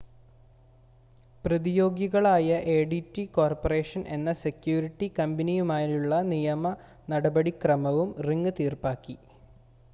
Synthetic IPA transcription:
prɐðijo̞ːɡjɐɣɐɭaːjɐʔeːɖitːiko̞ːrpɐre̞ːʂɐnʔe̞̰nːɐse̞kjuːɾiʈːikɐmbɐnijumaːɾuɭːɐnijɐmɐ | nɐɽɐbɐɽikrɐmɐʋumriŋːɨt̪iːrpaːkːi

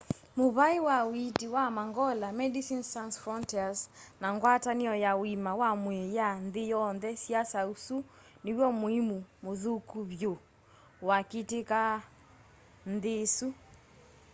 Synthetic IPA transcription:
moβaewawitiwamaŋɡɔlamɛdisintansfɔntɛaznaŋɡwataniɔjawimawamwɛjanðejɔnðɛsiasausu | newjɔmoimumoðukuβjo | waketeka | nðesu

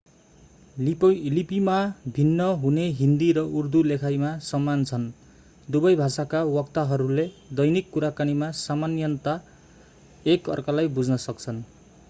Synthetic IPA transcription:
plipimabʱinːʌɦuneɦind̪iɾʌʔurd̪ulekʰajmasʌmːant͡sʰʌn | d̪ubʌjbʱasakawʌkt̪aɦʌɾuled̪ʌjnikːuɾakanimasamanjʌnt̪a | ekʌ̰rkʌlajbud͡znʌsʌk̚t͡sʰʌn

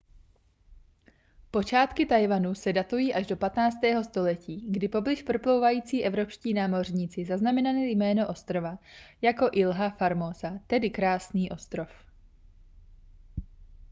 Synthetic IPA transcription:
po̞t͡ʃaːt̪kɪt̪ajvanusɛdat̪ujiːʔaʒdo̞pat̪naːt͡st̪ɛːɦo̞st̪o̞lɛciːɡdɪpo̞blɪʃpr̩plowvajiːt͡siːʔɛvɾo̞pʃciːnaːmo̞rɲiːt͡sɪzaznamɛnalijmɛːno̞ʔo̞st̪ɾo̞vajako̞ʔɪlɦafaɾmosat̪ɛdɪkɾaːsniːʔo̞st̪ɾof

